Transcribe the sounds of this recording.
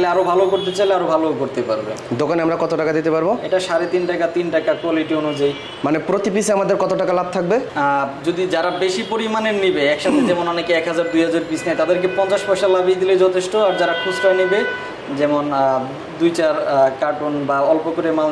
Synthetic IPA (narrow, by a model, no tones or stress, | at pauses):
leaɾobʱalokoɾt̪et͡ɕajleaɾobʱalookoɾt̪epa̰ɾbḛd̪okanamɾakɔt̪oʈakad̪it̪epaɾboeʈaʃaɾet̪inʈakat̪inʈakakoaliʈionud͡ʑai | manepɾot̪ipisamad̪eɾkɔt̪oʈakalab̚t̪ʰak̚bed͡ʑod̪id͡ʑaɾabeʃipoɾimanenibeɛkʃat̪ʰed͡ʑɛmonɔnekeɛkɦad͡ʑaɾd̪ujɦad͡ʑaɾpisnajt̪ad̪eɾkepɔnt͡ɕaʃpaʃaɾlabejd̪iled͡ʑɔt̪ʰeʃʈoaɾd͡ʑaɾakʰud͡ʑʈanibe | d͡ʑɛmon | d̪ujt͡ɕaɾkaʈunbaɔlpokoɾemal